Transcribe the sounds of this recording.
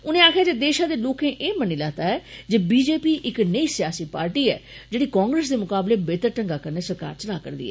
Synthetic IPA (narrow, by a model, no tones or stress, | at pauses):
ʊnẽːaːkʰjaːd͡ʒeːd̪eːʃãːd̪eːloːkẽːʔeːməniːlaːt̪aːɦɛːd͡ʒeːbiːd͡ʒeːpiːʔɪknəiːsɪjaːsiːpaːɾʈiːɛːd͡ʒeːɽiːkãːŋɡɾes̬d̪eːmʊkaːbleːbeːt̪əɾʈəŋɡaːkəɾneːsəɾka̰ːɾt͡ʃəlaːkə̰ɾd̪ḭːɛ̰ː